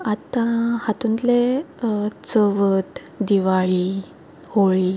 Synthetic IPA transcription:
at̪ãhat̪ũnt̪le | t͡səʋət̪ | d̪iʋaɭi | hoɭiː

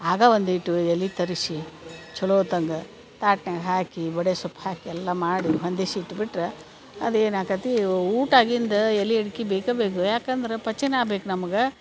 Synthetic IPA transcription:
aːɡɐʋond̪iʈːuelːit̪ɐɾisit͡ʃuloːt̪ɐŋɡɐ | t̪aːʈnɐɡɦaːkibɐɽesupʰːhaːkiɛlːɐmaːɽiɦond̪esiːʈːbiʈɾe | ɐd̪eːnaːkɐt̪iuːʈaːɡind̪ɐelːieɽkibeːkɐbeːkujaːkɐnd̪ɐɾepɐt͡ʃːinaːbeːkunɐmɐɡe

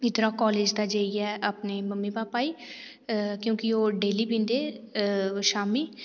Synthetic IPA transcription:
ɪd̪ɾaːkɔːleːd͡ʒd̪aːd͡ʒeːiɛːʔaːpneːməmːiːbaːpaːiː | kjõːkɪoːɖeːliːbĩːnd̪eː | ʃaːmiː

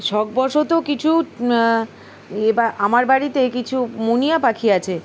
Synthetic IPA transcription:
ʃɔk̚bɔʃot̪okit͡ɕʰu | ebaʔamaɾbaɾit̪ekit͡ɕʰumonijapakʰiat͡ɕʰe

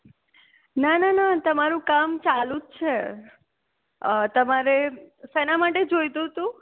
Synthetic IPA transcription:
nananat̪əmaɾũkamt͡ʃalũt͡ʃʰe | t̪əmaɾesenamaʈed͡ʒojt̪ũɦt̪ũ

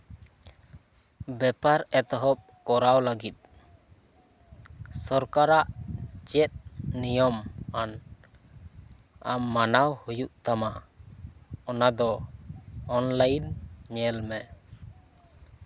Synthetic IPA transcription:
bɛpaɾɛt̪ɔɦɔp̚kɔɾawləɡit̪̚ | sɔɾkaɾaʔt͡ʃɛt̪̚nijɔman | a̰mːanawhujuʔt̪ama | ɔnad̪ɔ | ɔnlajnɲɛlmɛ

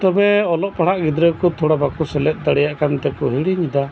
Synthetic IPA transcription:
t̪ɔbɛɔlɔʔpaɽaʔɡid̪ɾɛkɔt̪ʰuɽabakusɛlɛt̪̚ˀd̪aɽɛjaʔkant̪ɛkɔɦiɽiɲid̪a

